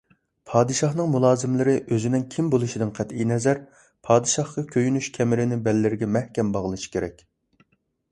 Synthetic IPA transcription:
pʰɑːd̪ɨʃɑχnɨŋmulˠɑːzɪmlɪɾɪʔøzɪnɪnkʲʰimbolˠuʃid̪ɪnqʰæt̪ijnɛzæɾ | pʰɑːd̪ɨʃɑhqɑkʲʰøjynyʃkʲʰɛmɪɾɪnɪbɛlːɪɾɪɡʲɛmɛhkʲɛmbɑʁəlˠɨʃi̥kʲʰeɾɛk̚ʲ

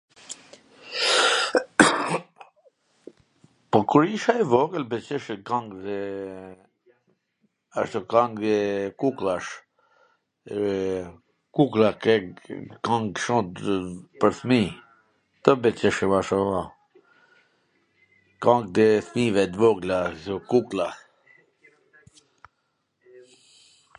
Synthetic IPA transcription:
pɔkuɾiʃaɛvɔɡəlbɛt͡ʃəʃəkaŋɡd̪ɛ | aʃt̪ɔkaŋd̪ɛkuklˠaʃ | kuklakɛkãŋɡʃɔ̃t̪pəɾθmi | t̪əbɛt͡ʃəʃəmaʃɔa | kãŋɡ̚d̪ɛθmivɛt̪vɔɡlakukla

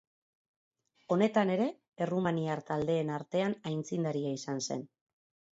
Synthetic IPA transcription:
o̞ne̞t̪ane̞ɾe̞ː | rumaniaɾt̪ald̪e̞ːnaɾt̪e̞anajnt͡sind̪aɾiaisanse̞̰n

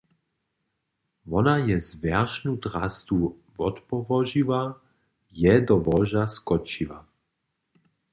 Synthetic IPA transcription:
vɔnajɛzvɛʁʃnut̪ɾa̰st̪u | vɔt̪pɔvɔʒiva | jɛd̪ɔvɔʒaskɔt͡ʃiʋa̰

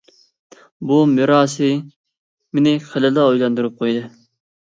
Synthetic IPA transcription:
bumɪɾɑːs̬ɨ | mɪnɪχəlɨlɑojlˠɑnd̪uɾɨp̚qʰojd̪ɨ

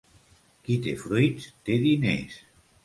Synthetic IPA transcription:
kit̪efɾujt̪t̪eðinḛs

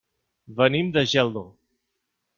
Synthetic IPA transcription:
bənimd̪əʒɛlˠd̪o

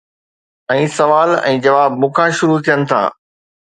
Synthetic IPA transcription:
ɛ̃ːsɐʋaːlɛ̰̃ːd͡ʑɐʋaːbmʊkʰaʃʊɾut̪ʰijənɪ̆t̪ʰa̰ː

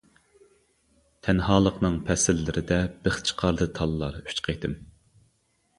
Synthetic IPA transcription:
t̪ʰɛnhɑːlˠəqnɨŋpʰɛsɪlːɪɾɪd̪ɛb̥ɪχt͡ʃʰə̥qʰɑɾd̪ɨt̪ʰɑlˠːɑɾy̥t͡ʃqʰejt̪ɨm

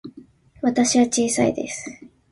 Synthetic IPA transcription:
βat̪aɕiβat͡ɕiːsaḭd̪e̞̰sɨ̥

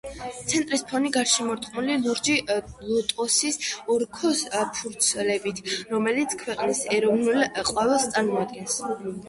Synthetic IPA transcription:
t̪sʰɛnt̪ʼɾispʰɔniɡaɾʃɛmɔɾt̪ʼqʼnulilˠuɾd͡ʒilˠɔt̪ʼɔsisɔɾkʰɔspʰuɾt̪sʰɛlɛbit̪ʰɾɔmɛlit̪sʰkʰwɛqʼnisɛɾɔvnulqʼwavɛlˠst̪sʼaɾmɔad̪̚ɡɛns

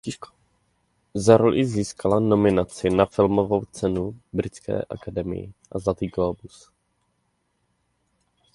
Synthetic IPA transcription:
zaɾolʔɪziːskalano̞mɪnat͡sɪnafɪlmovo̞wt͡sɛnubɾɪt͡skɛ̰ːʔa̰kadɛmɪ̰jɪ̰ʔazlat̪iːɡlobus

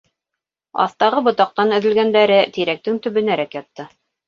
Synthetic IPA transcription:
ɑ̰θt̪ɑʁɤbŏt̪ɑq̚t̪ɑnɵ̆ðɵ̆lɡænd̪æɾɘt̪iɾæk̚t̪ɘŋt̪ɵ̆βɵ̆næɾækjɑt̪ːɤ

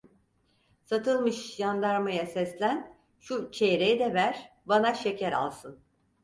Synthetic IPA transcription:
sat̪ʰɯlˠmɯʃjand̪aɾmajasɛslʲæn | ʃut͡ʃʰejɾejid̪ɛvæɾ̥ | banaʃecʰæɾa̰lˠsɯn

